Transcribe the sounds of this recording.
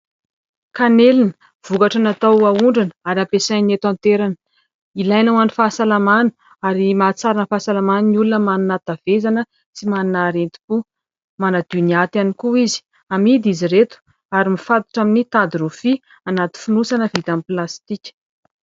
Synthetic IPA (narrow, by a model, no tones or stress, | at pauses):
kanelinə̥ | v̥ukaʈ͡ʂanat̪awauɳɖ͡ʐanə̥aɾiampesajnet̪ant̪eɾanə | ilajnawanifasalamanu̥ | aɾimat͡saɾanəfasalamaninulunəmaninat̪av̥ezanə | t͡simaninaɾent̪i̥pu | manad̪uniat̪ianikuizi̥ | amid̪iziret̪u̥ | aɾimifat̪i̥ʈ͡ʂaminit̪ad̪iɾufi | anat̪i̥funusanəvit̪amiplast̪ikʲə̥